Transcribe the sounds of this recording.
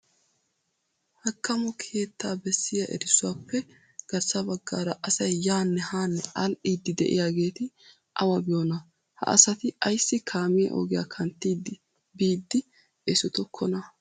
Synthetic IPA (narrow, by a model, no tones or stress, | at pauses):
hɐkːɐmɔkʰeːt̪ʰːaːbɛsːɪjɐʔɛ̰ɾɪsʊwaːpːɛ | ɡ̥ɐɾsɐbɐɡːa̰ːɾɐʔɐsɐjːaːnːɛhaːnːɛɐlʔiːd̪ːɪd̪ɛ̰ʔɪ̰jaːɡe̞ːt̪ɪ | ʔɐwɐbɪjoːnɐ | hɐ̰ʔɐ̰sɐt̪ɪɐjsːɪkʰaːmɪjɐ̰ʔo̰ːɡɪja̰ːkʰɐnt̪ːiːd̪ɪ | biːd̪ːɪ | ɛsɔt̪ɔkʰːɔnɐ